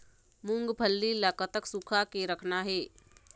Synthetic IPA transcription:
mʊ̃ŋɡbʱəlːilakət̪əksukʰakeɾəkʰnaɦeː

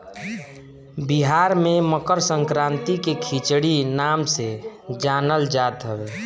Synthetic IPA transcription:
biɦaɾmeməkəɾsə̃ŋkɾãːnt̪ikekʰit͡ʃɽinamsed͡ʒanəld͡ʒat̪ɦəbeː

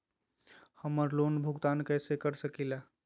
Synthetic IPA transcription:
həməɾlonbʱuɡt̪ankəsekəɾsəkila

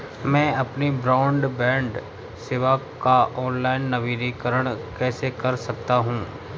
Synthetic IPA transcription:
mɛ̃ːɐpnibɾaːʊ̃ɳɖbɛ̃ːɳɖ | seːʋakaʔɔːnlaːɪnːɐʋiːɾikəɾəɽ̃kɛːsekɐɾsɐk̚t̪aɦũː

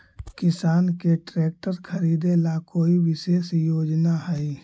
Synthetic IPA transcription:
kɪsaːnkeʈɾeːk̚ʈəɾkʰəɾiːd̪elakoːiʋɪʃeːsjoːd͡ʒnaɦɛi

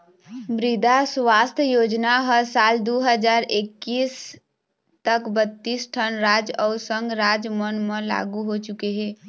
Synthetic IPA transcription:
bɾid̪ʱaswast̪ʰjəjod͡ʒnaɦəsald̪uɦəd͡ʒaɾekːis | t̪əkbət̪ːisʈʰənɾad͡ʒɔʊsəŋɡɾad͡ʒmənməla̰ɡuɦot͡ʃukeɦe

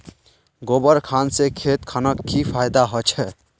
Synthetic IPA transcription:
ɡobəɾkʰansekʰet̪kʰanəkːipʰajd̪aɦɔt͡ʃʰɛ

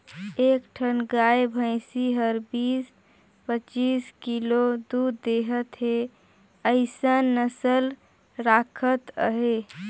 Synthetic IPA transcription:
ekʈʰənɡaebʱə̃ɪsiɦəɾbis | pət͡ʃiskilod̪ud̪d̪eɦət̪ɦe | əɪsənəsəl | ɾakʰət̪əɦe

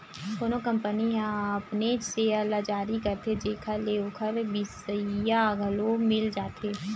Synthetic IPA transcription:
soːnokɐ̃mpəniɦãɐpned͡ʒseɐlad͡ʒaːɾikɐɾt̪ʰed͡ʒeːkʰəleokʰəɾbɪsəjaɡʱəlomɪld͡ʒaːt̪ʰeː

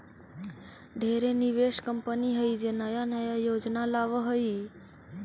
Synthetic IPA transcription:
ɖʱeɾeniʋeʃkəmpəniɦəid͡ʒenəjanəjajod͡ʒnalaʋəɦəi

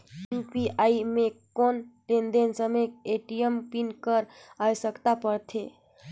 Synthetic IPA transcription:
upiaimẽkonʈẽnd̪ensəmek̚eʈijəmpinkəɾajsəkt̪apəɾt̪ʰe

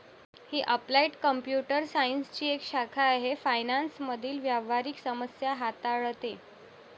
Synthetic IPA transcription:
hiːʔəplaiʈkəmpjuʈəɾsainst͡ɕiːekɕakʰaːɦefajnansməd̪ʱiːlʋjaʋ̤aɾiːksəməsjaɦat̪aɭt̪e

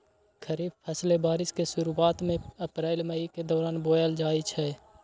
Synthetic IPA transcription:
kʰəɾiːbpʰəslebaːɾɪskesʊɾuaːt̪mẽəpɾaːɪlməiked̪ɔːɾaːnboːjəld͡ʒaːit͡ʃʰɛː

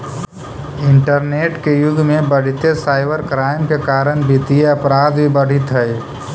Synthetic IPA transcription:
ɪɳʈəɾneːʈkejʊd̪ʱːmẽbəɽ̤it̪esaːɪbəɾkɾaːɪmkekaːɾənbʱit̪ieɐpɾaːd̪bʱibəɽ̤ʱit̪ɦəj

